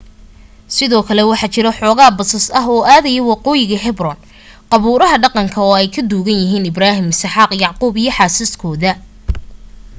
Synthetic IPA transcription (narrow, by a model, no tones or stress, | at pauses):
sɪðɔːkʰɐlɛwɑħɑt͡ʃɪɾɐħɔːɣaːbɐsɐsɐɦɔːaːðɐjɛwɑqɔːjɪɣɐɦɛbrɔn | qɑβuːɾɐɦɐɖɑqɑŋkʰɐɔːɛjkʰɐd̪uːɣɐnjɪɦiːnɪbraːɦɪmɪsħɑːqjɑʕquːbijɞħɑːsɪskʰɔːðɐ